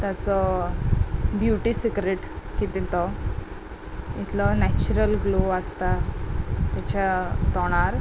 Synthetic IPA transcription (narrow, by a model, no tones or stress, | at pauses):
t̪at͡sɔ | bjuʈisikɾeʈkit̪it̪ɔ | it̪ʰlɔnɛt͡ɕuɾəlɡluast̪a | t̪jat͡ɕat̪ɔɽ̃aɾ